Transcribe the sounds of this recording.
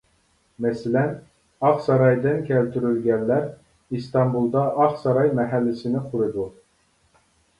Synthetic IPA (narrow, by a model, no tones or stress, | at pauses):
mɛsɪlɛn | ɑχsɑɾɑjd̪ɪnkʲʰɛlt̪ʰyɾylɡʲɛnlæɾ | ist̪ɑmbulˠd̪ɑʔɑχsɑɾɑjmɛɦælːɪsɪnɪqʰʊɾɨd̪u